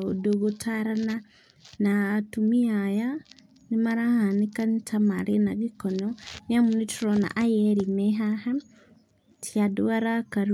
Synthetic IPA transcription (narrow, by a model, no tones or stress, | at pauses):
odoɡotʰaɾana | naːtumiaja | nimaɾahanikantʰamaɾenaɡikɔnɔniamunitɾɔna̰ʔajɛɾimeɦaha | tʰjaduwaɾakaɾ